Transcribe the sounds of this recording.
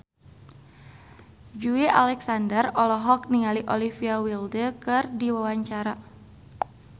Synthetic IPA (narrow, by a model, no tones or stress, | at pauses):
d͡ʒuiʔa̰lɛksandərɔlɔɦɔk̚niŋaliʔɔlifiawildəkɨrdiwawaɲt͡ʃaɾa